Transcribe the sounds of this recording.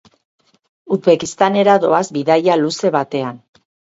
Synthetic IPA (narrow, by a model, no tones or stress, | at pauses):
uðβe̞kist̪ane̞ɾaðo̞azbiðajaluse̞βat̪e̞an